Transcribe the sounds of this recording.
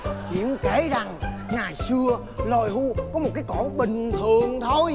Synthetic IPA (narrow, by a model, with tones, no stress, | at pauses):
hḭ˧˨ənke˧˩˦za˨˩ŋŋaː˨˩jsɨ˧ə | lo˨˩jɦu˧kɔ˨˦mo˨˩t̚kaː˨˦jko˧˩ɓï˨˩ŋ̟t̪ʰɨ˨˩əŋt̪ʰo˧j